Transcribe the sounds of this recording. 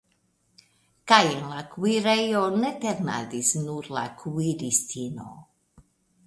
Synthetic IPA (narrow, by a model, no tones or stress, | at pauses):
kajnlakwiɾejoneteɾna̰disnuɾla̰kʰwiɾistʰino̰